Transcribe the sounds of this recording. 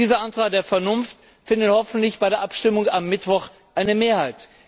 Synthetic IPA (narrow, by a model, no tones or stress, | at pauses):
iːzɐʔantʁ̥aːk̚d̥eːɐfɛɐnʊnft | fɪndəthɔfn̩tlɪçb̥aɪɾeːɐʔapʃtɪmʊŋamːɪtv̥ɔχ | ʔaɪnəmeːɐhaɪt